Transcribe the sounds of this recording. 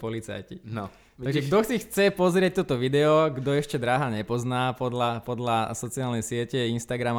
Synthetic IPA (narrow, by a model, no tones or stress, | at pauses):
pɔlit͡sa̰jci | t̪aɡʒɛɡd̪ɔxt͡sixt͡sɛpɔzɾɪɛc̚t̪ɔt̪ɔʋid̪ɛɔɡd̪ɔɛʃcɛd̪ɾaːɦaɲɛpɔznaːpɔd̪lapɔd̪lasɔt͡siaːlnɛjsɪɛcɛinst̪aɡɾam